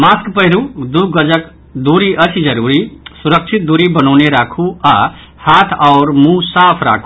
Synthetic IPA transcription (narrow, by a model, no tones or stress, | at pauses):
maːskpəɦɪɾud̪uɡəd͡ʒək | d̪uːɾiʔət͡ʃʰid͡ʒəɾuːɾisuɾəkt͡ʃʰit̪̚d̪uɾibənɔːneɾaːkʰua | haːt̪ʰɔʊɾmũsaːpʰɾa̰ːkʰu